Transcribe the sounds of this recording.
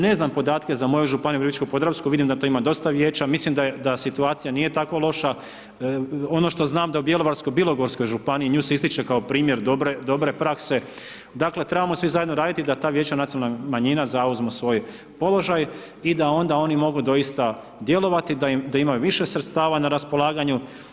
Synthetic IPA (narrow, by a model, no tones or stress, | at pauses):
ne̞znampo̞d̪aːt̪ke̞zamo̞joʒupanijupɾizit͡ʃkopod̪ɾaskuʋid̪imd̪at̪o̞imad̪o̞st̪aʋjeːt͡ɕamislimd̪ad̪asit̪uaːt̪sijanije̞t̪ako̞lˠo̞ʃa | o̞no̞ʃt̪o̞znaːmd̪aubje̞lˠo̞ʋaɾsko̞jbilˠo̞ɡo̞ɾsko̞jʒupaniiɲuːseist̪it͡ʃe̞kaopɾiːmje̞ɾd̪obɾed̪o̞bɾe̞pɾakse̞ | d̪akle̞t̪ɾe̞bamosʋizajed̪noɾaːd̪it̪id̪at̪aːʋje̞ːt͡ɕanat̪ionalnamaɲinazauzmusʋo̞ːj | po̞lo̞ʒaj | id̪ao̞nd̪ao̞nimo̞ɡud̪o̞ist̪a | d̪je̞lo̞ʋat̪id̪ad̪aimajuʋiʃe̞sɾet̪st̪aːʋanaɾaspo̞lˠaːɡaɲu